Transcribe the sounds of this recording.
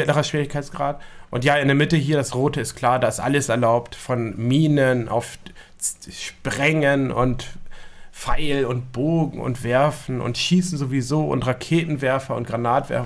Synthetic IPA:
ɪtnaʁɐʃv̥iːʁɪçkʰaɪt͡sɡ̥ʁaːtʔʊntjaːɪndeːɐmɪtəɦiːɐdasʁoːtəɪstkʰl̥aːɐdaːɪstʔa̰ləsɛɐlaʊptfɔnmiːnənʔa̰ʊf | ʃpʁ̥ɛŋənʊ̰nt | faɪlʊnt̚b̥oːɡŋ̩ʊ̰ntv̥ɛɐfn̩ʔʊ̰ntʃiːsn̩zovizoːʔʊ̰ntʁakʰeːtn̩vɛɐfɐʊ̰nt̚ɡ̥ʁanaːtv̥ɛ̰ɐf

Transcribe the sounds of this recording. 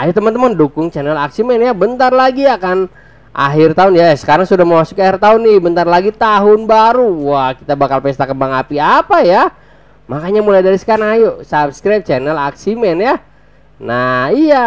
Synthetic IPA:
ajut̪əmant̪əmandukʊŋt͡ʃɛnɛlaksimɛnjabənt̪arlaɡiakan | ʔa̰ɦɪrt̪aʊnjasə̥kaɾaŋsudahməmasu̥kiahirt̪aʊnːɪbənt̪arlaɡit̪aɦʊnbaɾuwahkit̪abakalpɛst̪akəbaŋapiapaja | makaɲamulajdaɾisə̥kaɾaŋajusap̚skɾap̚t͡ʃɛnɛla̰ksimɛnja | naija

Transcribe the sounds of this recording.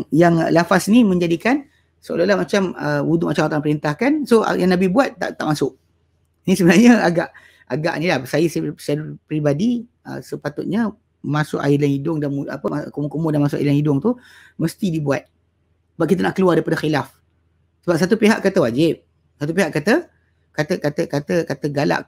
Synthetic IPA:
jaŋlafasnimə̃ɲd͡ʒadikan | səo̰lolahmat͡ʃaməuduʔmat͡ʃamat̪apəɾint̪ahkanso̰jaŋnabɪhbuat̪ːa̰ʔt̪ːa̰ʔmasʊʔ | nisəbənarɲəaɡaʔ | aɡa̰ʔnilahsajəssdpɾibadi | ə̰səpat̪ʊt̪̚ɲə | masʊ̰ka̰ilaŋidʊŋdanua̰pəkumʊkumʊdanmasʊʔa̰ilaŋidʊŋt̪u | məst̪idibuat̪̚ | səbap̚kit̪̬ənaʔkəluardeipadəxilaf | səbap̚sat̪upeɦa̰ʔkat̪əwad͡ʒɪp̚ | sat̪upeɦaʔkat̪ə | kat̪əkat̪əkat̪əkat̪əɡala̰ʔ

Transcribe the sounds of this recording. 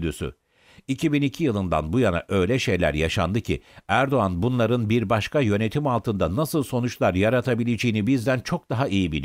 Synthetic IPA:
d̪ysy̰ | icʰibinicʰijɯlˠɯnd̪a̰nbujana̰ʔø̞jlʲɛʃe̞jlʲæ̰ɾjaʃa̰nd̪ɯcʰḭæɾd̪o̞anbunlˠaɾɯnbiɾbaʃkʰajø̞ne̞t̪ʰimalˠt̪ɯnd̪anasɯlˠso̞nut͡ʃlˠaɾjaɾat̪ʰabilʲed͡ʒejinibizd̪ænt͡ʃʰo̞k̚d̪aɦaijibilʲi

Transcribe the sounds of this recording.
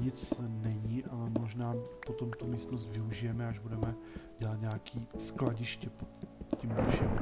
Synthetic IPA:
ɲɪt͡snɛɲiʔalɛmo̞ʒnaːpo̞t̪o̞mt̪umiːst̪nos̬t̪vɪuʒɪjɛmɛaʒbudɛmɛɟɛlat̪ɲaːkʰiːsklaɟɪʃcɛpot̪cimɪʃɛm

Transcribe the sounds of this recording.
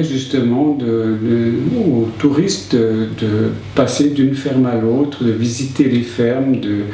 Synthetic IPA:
ʒyst̪əmɑ̃d̪ələot̪uʁist̪d̪əd̪ə | pased̪ynfɛʁmalot̪χd̪əvizit̪elefɛʁmd̪ə

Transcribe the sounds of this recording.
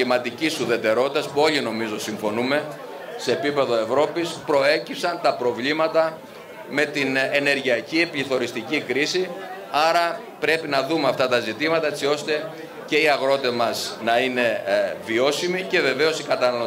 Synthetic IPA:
imɐt̪icisuðe̞t̪e̞ɾo̞t̪it̪ɐspuo̞ʎino̞mizo̞siɱfo̞nume̞ | se̞ːpipe̞ðo̞e̞vɾo̞pispɾo̞e̞cipsɐnt̪ɐpɾo̞vlimɐt̪ɐ | me̞t̪inene̞ɾʝiɐciepliθo̞ɾist̪icikɾisi | ɐɾɐ | pɾe̞pinɐðumeɐft̪ɐt̪ɐzit̪imɐt̪ɐe̞t͡sio̞st̪e̞ | ce̞iɐɣɾo̞t̪emɐsnɐine̞vio̞simice̞ve̞ve̞o̞sikɐt̪ɐnɐlo

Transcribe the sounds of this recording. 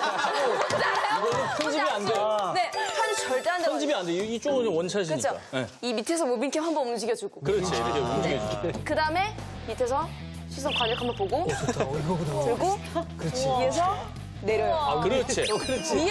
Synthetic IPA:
aaɡesʰʌnd͡ʑimiandenehant͡ɕʌɭt͈eandeʌnd͡ʑimiandeit͡ɕ͈oŋuɲiwʌnt͡ɕʰaɕ̬ʰiɯɲit͡ɕʰokaeimitʰesʰʌmobinkʰeɦambʌnund͡ʑiɡjʌd͡ʑuɡokɯɾʌt͡ɕʰieʌd͡ʑiɡkkɯdaɯme̞ | mitʰesʰʌ | ɕʰis͈ʰʌŋkwaɲʌkʰamʌnpoɡootuɭɡo | kɯɾʌt͡ɕʰiies̬ʰʌ | ne̞ɾjʌjkɯɾt͡ɕʰikɾt͡ɕʰi

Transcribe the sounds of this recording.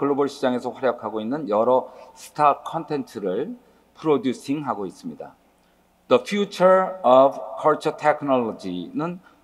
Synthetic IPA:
kɯɭːobʌɭɕʰid͡ʑaŋe̞sʰʌɸwaɾjʌkʰaɡoinːɯnjʌɾʌsʰɯ̥tʰakʰʌntʰe̞ntʰɯɾɯɭ | pʰɯɾodjusʰiŋɦaɡois͈ɯmɲida̰ | dʌpʰjut͡ɕʰʌɾʌbkʰʌɭt͡ɕʰʌtʰekʰɯnʌɭːʌd͡ʑinɯn

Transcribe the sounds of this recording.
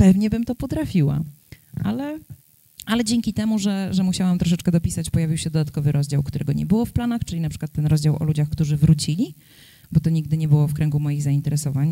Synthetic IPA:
pɛvɲɛbɘmt̪ɔpɔt̪ɾafʲiwa̰ | ʔa̰lɛ | alɛd͡ʑɛŋʲkʲit̪ɛmuʐɛʐɛmuɕawamt̪ɾɔʂ̬ɛt͡ʂkɛd̪ɔpʲisat͡ɕpɔjavʲiwɕɛd̪ɔd̪at̪̚kɔvɘɾʔɔzd͡ʑawkt̪uɾɛɡɔɲɛ̰bɘwɔfplanaxt͡ʂɘlʲinapʂɘ̥kwat̪ːɛnɾɔzd͡ʑawʔɔ̰lud͡ʑaxkt̪uʐɘvɾut͡ɕilʲi | bɔt̪ɔɲiɡd̪ɘɲɛbɘwɔfkɾɛŋɡumɔjiɣzaint̪ɛɾɛsɔvaɲ

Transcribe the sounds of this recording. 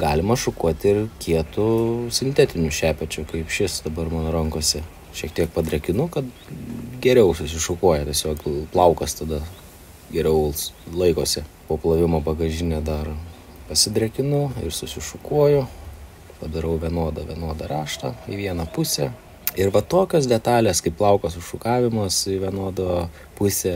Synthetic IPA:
ɡɑːlʲɪmɐʃʊkuɔt̪ʲɪrkʲiɛt̪ʊsʲɪnʲt̪ʲɛt̪ʲɪnʲʊʃʲæːpʲɛt͡ʃʲʊkɐɪpʃʲɪsd̪ɐbɐrmɑːnoːɾɐŋkoɔsʲɛ | ʃʲiɛk̚t̪ʲiɛk̚pɐd̪ʲɾʲɛkʲɪnʊkɐt̪ | ɡʲɛɾʲɛʊsʊsʲɪʃʊkuɔjɛt̪ʲiɛsʲoːkplˠɐʊkɐst̪ɐd̪ɐ | ɡʲɛɾʲɛʊlˠslˠɐɪkoːsʲɪpoːplˠɐʋʲɪmoːpɐɡɐʒʲɪnʲɛd̪ɐr | pɐsʲɪd̪ʲɾʲɛkʲɪnʊɪ̰rsʊsʲɪʃʊkuɔjʊ | pɐd̪ɐɾɐʊʋʲiɛnoɔd̪ɐʋʲiɛnoɔd̪ɐrɑːʃt̪ɐiʋʲiɛnɐpʊsʲɛ | ɪrʋɐt̪oːkʲoːs̬d̪ʲɛt̪ɑːlʲeskɐɪpplˠɐʊkosʊʃʊkɑːʋʲɪmɐsɪʋʲiɛnuɔd̪oː | pʊsʲɛ

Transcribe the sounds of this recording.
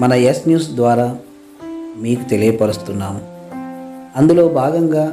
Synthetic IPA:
mɐnɐesnjuːsd̪ʋaːɾaː | miːkut̪e̞lijɐpɐɾust̪unːaːmu | ɐnd̪ulo̞ːbʱaːɡɐŋɡaː

